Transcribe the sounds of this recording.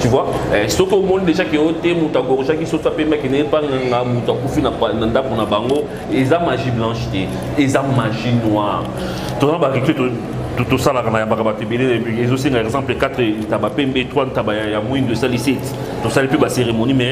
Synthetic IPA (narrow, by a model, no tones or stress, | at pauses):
tyvwaɛsɔkiomɔnideʒakeotemutoaɡoʁoʃak̬isosoapɛmbakɛneepaŋaŋɡamutoakufinanandakonabaŋɡo | ezamaʒiblɑ̃ʃte | ezamaʒinwaʁ | tozabaʁiketo | tosalakanajambakabatoebeleezoseŋɡazɑ̃plekatʁtabapɛmbetʁwatabajjamwiŋdesalisɛt | tosalipebaseʁemonimɛ